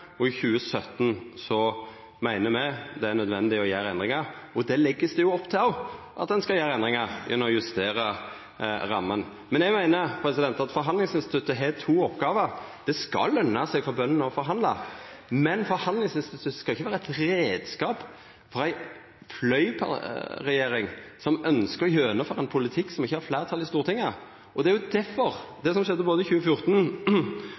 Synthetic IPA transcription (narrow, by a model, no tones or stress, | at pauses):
ɔɪçʉːəsœt̪ːnsɔ | mæɪnəmɛɪd̪ɛæɾnœd̪ʋɛnd̪ɪɔjæːɾɛnd̪ɾɪŋɑɾɔd̪ɛlɛɡːəsd̪ɛjʊɔpːt̪ʰɪɑ | ʔɑ̰t̪̚d̪ɛnskɑljæːɾɛnd̪ʁɪŋɑɾjʔɛnːəɾɔjʉst̪eːɾə | ɾɑmːən | mɛnjɛɡmæɪnəɾpʰɾɛsɪd̪ɛnt̪ɑt̪fɔɾɦɑnd̪lɪŋsɪnst̪ɪt̪ʉt̪ːəɦɛt̪ʰuːɔpːɡɑːʋəɾd̪̥ɛskɑ̰lœnːɑsɛɡfɔbœnːənɔfɔɾɦɑnd̪lɑ̰mɛnfɔɾhɑnd̪lɪŋsɪnst̪ɪt̪ʰʉskɑlɪçːəʋæːɾəæɪt̪ɾeːd̪skɑːp | fɔɾæɪ | flœʏpʰɑ̰ɾɛjeːɾɪŋsɔmœnskəɾɔjøːnəfɔɾænpʰʊlɪt̪ʰɪkːsɔmɪçːəhɑɾflæːɾət̪ʰɑlːɪst̪uːɾət̪ʰɪŋːɑ | ʔɔd̪ɛæɾjʊd̪æfɔɾd̪ɛsɔmʃɛd̪ːəboːd̪əɪçʉːəfjʊɾt̪n̩